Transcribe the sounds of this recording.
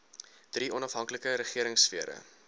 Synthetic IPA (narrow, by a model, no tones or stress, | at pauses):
d̥riʔɔnɐfɦɐŋkləkəɾəχiəɾəŋsfiəɾə̰